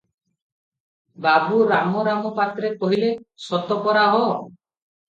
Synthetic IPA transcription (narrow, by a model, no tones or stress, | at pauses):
babuɾamɔɾamɔpat̪ɾekɔɦilesɔt̪ɔpɔɾaɦɔ